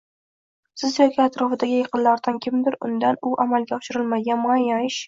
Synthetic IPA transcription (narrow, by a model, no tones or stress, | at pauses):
sɪzjɒkʲʰiat̪ɾɒfɪd̪aɡʲɪjɑqɨnlaɾd̪ankʲʰɪmd̪ɪɾʊ̰nd̪anʊʔamalˠɡʲaɒʃɪɾɪlmaɡʲanmajaʃ